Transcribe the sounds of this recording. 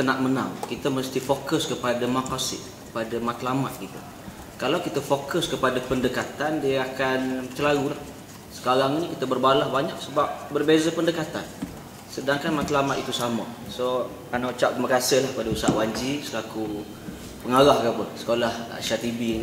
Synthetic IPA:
t̪ənaʔmənaŋkit̪əməst̪ifokəskəpadamakasɪʔ | əpadamat̪lamat̪̚kit̪ṵ | kalawkit̪əfokəskəpadapəndəkat̪andiəakant͡ʃəlaɾulah | sə̥kaɾaŋinikit̪əbərbalahbaɲak̚səbap̚bərbezapəndəkat̪a̰n | sədaŋkanmat̪lamat̪it̪usamaso | anaut͡ʃap̚t̪umakasɪhlahpadausa̰ʔwaɲd͡ʒisəlaku | pəŋaɾahkapəsə̥kolaha̰ʃat̪ibi

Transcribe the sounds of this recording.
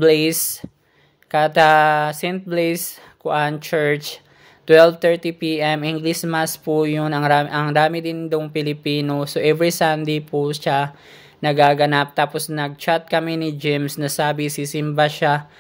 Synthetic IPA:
blejs | kat̪ɐsɛnt̪̚blejs | kʊʔant͡ʃɛɹt͡ʃ | t̪wɛlvt̪ɛɹt̪ipiːʔɛmʔɪŋɡlismaspujʊnɐŋɾamʔɐŋd̪aːmɪd̪ɪnd̪oŋpɪlɪpiːnosoʔɛvɹisand̪ejpuʃa | nɐɡaːɡɐnap̚t̪aːposnɐɡ̚t͡ʃat̪̚kɐminɪd͡ʒɪmsnɐsaːbɪsɪsɪmbaʃa

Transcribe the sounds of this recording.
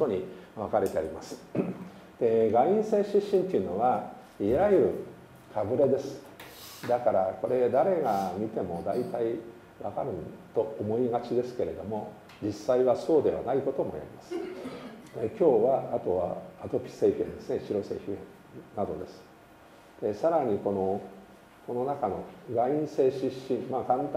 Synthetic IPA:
t̪oɲiβakaɾe̞t̪e̞aɾʲimasɨ̥ | d̪̥e̞ɡaĩɰ̃se̞ːɕiɕːĩnt̪eiɯ̟no̞βa | iɾajɯɾɯ̟ | kʰabɯ̟ɾe̞d̪e̞sɨ̥ | d̪akaɾako̞ɾe̞d̪aɾe̞ɡamʲit̪e̞mo̞d̪ait̪ai | βakaɾɯ̃nt̪o̞ːmo̞iɡat͡ɕid̪e̞sɨ̥ke̞ɾe̞d̪o̞mo̞ | d͡ʑisːaiβaso̞ːd̪e̞βa̰naiko̞t̪o̞mo̞̰ja̰ɾʲimasɨ̥ | ekʲo̞ːβaːt̪o̞βa̰ːt̪o̞pʲi̥se̞ːɸʲḛ̃nd̪e̞sɨne̞ɕiɾo̞se̞̰ːɸʲiḛ̃ | nad̪o̞d̪e̞sɨ̥ | d̪esaɾaɲ̟iko̞no̞ | ko̞no̞nakano̞ɡaĩɰ̃se̞ːɕiɕːĩmmakãnt̪

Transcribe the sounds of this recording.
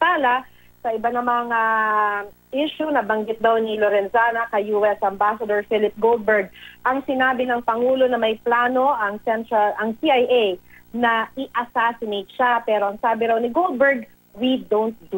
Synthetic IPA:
paːlɐ | sɐɪbanɐmaŋa | ʔiʃunɐbɐŋɡɪt̪̚d̪awnɪloɾɛnzaːnɐkɐjuːɛsɐmbaːsɐd̪oɹfɪlɪp̚ɡol̚bɛɹɡ̪̚ʔɐŋsɪnaːbɪnɐŋpɐŋuːlo̞nɐmɐjplaːno̞ʔɐŋsɛnt̪ɾɐlʔɐŋsiʔajʔɛjnɐʔɪʔɐsaːsɪnejt̪̚ʃapɛːɾo̞ʔɐŋsaːbɪɾawnɪɡol̚bɛɹɡ | wid̪ownt̪̚d̪u

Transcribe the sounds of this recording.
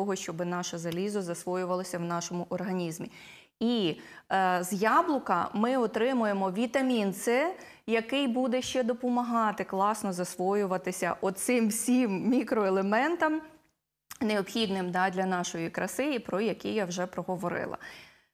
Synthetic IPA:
ɔɦɔʃt͡ʃɔbɪnɑʃɐzɐlʲizʊzɐsʋɔjʊʋɐlˠɐsʲɐwnɑʃɔmʊʔɔrɦɐnʲizmʲi | i | zjɑblˠʊkɐmɪɔt̪ɾɪmʊjemɔʋʲit̪ɐmʲint̪sɛ | jɐkɪjbud̪ɛʃt͡ʃɛd̪ɔpɔmɐɦɑt̪ɪklˠɑsnɔzɐsʋɔjʊʋɐt̪ɪsʲɐ̰ʔɔt̪sɪmwsʲimːʲikɾɔelˠemɛnt̪ɐm | neɔpxʲid̪nɪmd̪ɑd̪ʲlʲɐnɑʃɔjikɾɐsɪjipɾɔjɐkijawʒɛpɾɔɦɔʋɔɾɪ̰lˠɐ̰

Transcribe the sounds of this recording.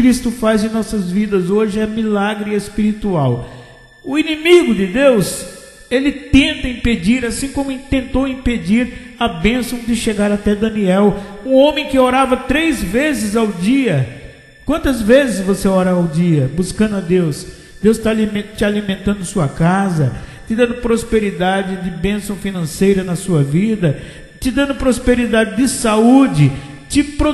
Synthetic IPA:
kɾist̪ʊfazẽnɔsɐzvid̪ɐzoʒɪɛmilaɡɾɪespiɾit̪uaw | ʊinĩmiɡʊd̪ɪd̪ews | elɪt̪ẽnt̪ɐĩped͡ʒiɾasĩkõmʊ̃t̪ẽnt̪owĩped͡ʒiɾ | ɐbẽsɐ̃w̃d͡ʒ̪ɪʃeɡaɾat̪ɛd̪ɐ̃niɛw | ũõmẽj̃kɪoɾavɐt̪ɾejzvezɪzawd͡ʒiɐ | kwɐ̃nt̪ɐzvezɪzvoseɔɾɐːwd͡ʒiɐbuskɐ̃nd̪ʊɐd̪ews | d̪ewst̪alimt͡ʃɪalimẽnt̪ɐ̃nd̪ʊsuɐkazɐt͡ʃɪd̪ɐ̃nd̪ʊpɾospeɾid̪ad͡ʒɪd͡ʒɪbẽsɐ̃w̃finɐ̃sejɾɐnɐsuɐvid̪ɐ | t͡ʃɪd̪ɐ̃nd̪ʊpɾospeɾid̪ad͡ʒɪdɪsaud͡ʒɪ | t͡ʃɪpɾ

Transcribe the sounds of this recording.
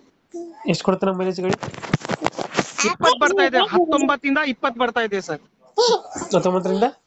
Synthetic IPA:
eʂʈkʰɔɽt̪ːenɐmːelet͡ʃiɡɐɽi | ipːət̪̚bɐɽt̪ajd̪eɦɐt̪ːombət̪ːind̪aipːət̪̚bɐɽt̪ajd̪esəɾ | ɐt̪ːɔmbɐt̪̬ːɾind̪a

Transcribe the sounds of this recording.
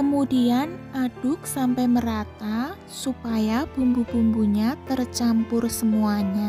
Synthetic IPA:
kəmudianad̥ʊk̚sampɛjməɾat̪a | supajab̥umbub̥umbuɲat̪ərt͡ʃampʊrsəmuaɲa

